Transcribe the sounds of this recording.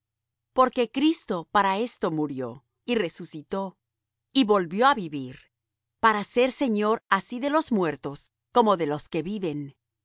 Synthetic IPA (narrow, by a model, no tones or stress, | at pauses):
po̞ɾke̞kɾist̪o̞paɾae̞st̪o̞muɾjo̞ | ire̞susit̪o̞ | iβo̞lβjo̞aβiβiɾ | paɾase̞ɾse̞ɲo̞ɾasiðe̞lo̞zmwe̞ɾt̪o̞s | ko̞mo̞ðe̞lo̞ske̞βiβe̞n